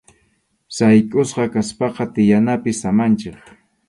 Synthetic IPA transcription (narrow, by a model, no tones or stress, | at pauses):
sajkʼʊsqɑkaspɑqɑt̪ɪjanapɪsamant͡ʃɪχ